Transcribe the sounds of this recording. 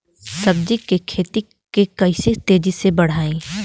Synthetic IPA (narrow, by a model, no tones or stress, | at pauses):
sɐbd͡ʒikːekʰeːt̪i | kekɐɪsit̪eːd͡ʒisebɐɽ̤aːẽː